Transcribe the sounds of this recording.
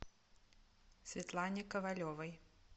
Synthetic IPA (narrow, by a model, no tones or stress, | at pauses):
sʲvʲɛt̪lˠanʲɪkɐvalʲɔvɐj